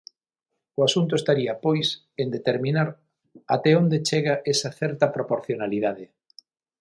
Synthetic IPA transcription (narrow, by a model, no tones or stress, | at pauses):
ʊasunt̪̬ʊest̪aɾiɐpojs | end̪et̪eɾmĩnaɾ | at̪ɛond̪et͡ʃeɣaʔesɐθɛɾt̪ɐpɾopoɾθjonaliðaðe